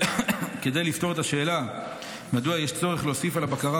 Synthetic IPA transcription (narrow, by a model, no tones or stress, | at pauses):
ke̞d̪ejlift̪o̞ʁet̪aʃe̞ːla | mad̪uajeʃt͡so̞ʁeχleosifalabakaʁa